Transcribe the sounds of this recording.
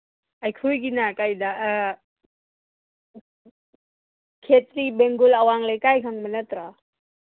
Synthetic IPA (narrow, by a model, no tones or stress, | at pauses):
ajkʰujɡinakajd̪a | kʰet̪ɾibeŋɡulawaŋlekajkʰaŋmənət̪ɾa